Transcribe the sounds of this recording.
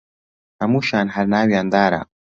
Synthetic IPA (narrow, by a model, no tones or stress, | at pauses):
hamuʃaːnɦaɾnaːwjand̪aːɾa̰